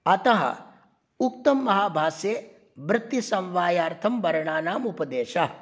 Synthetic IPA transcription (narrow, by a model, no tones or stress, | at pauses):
ɐt̪ɐɦɐ̰ | uk̚t̪ɐmːɐɦaːbʱaːsjeː | bɾɪt̪ːisɐ̃wʋaːjaːɾt̪ʰɐmʋɐɾɐɳaːnaːmupɐd̪eːʃɐ